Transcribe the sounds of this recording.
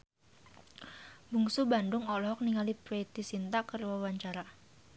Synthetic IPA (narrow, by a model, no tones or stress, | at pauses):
buŋsubandʊŋɔlɔɦɔk̚niŋalipɾet̪isint̪akərwawaɲt͡ʃaɾa